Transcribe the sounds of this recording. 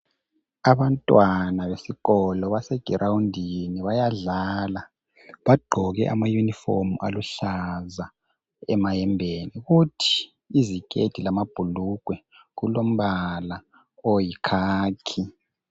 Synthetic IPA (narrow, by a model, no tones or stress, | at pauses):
aβantʼwanaβesiɣɔlɔβasɛɡ̥ʱirʔawundʱiniβajaɮala | βaɡ͡ǃʱɔɣɛ̰ʔa̰majunifomuʔa̰luɬaza | ɛmajɛmbʱeniɣutʰi̥ | izikʼed̥ʰʱilamab̥ʱuluɡ̥ʱwɛ | ɣulom̩βala | ojikʰaːkʰi